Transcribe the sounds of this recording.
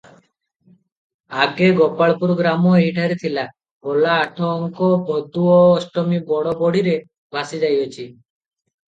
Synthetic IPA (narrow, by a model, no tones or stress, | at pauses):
aɡeɡɔpaɭpuɾɡɾamoeɦiʈʰaɾit̪ʰila | ɡɔlaːʈʰoŋkobʱɔd̪uoːsʈomibɔɽobɔɽiɾe | bʱasid͡ʒajot͡ɕʰi